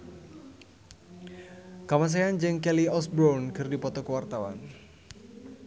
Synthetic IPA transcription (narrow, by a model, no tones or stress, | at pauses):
kamas̬eand͡ʒɨŋkɛliɔsbɾɔnkɨrdipɔt̪ɔkəwart̪awa̰n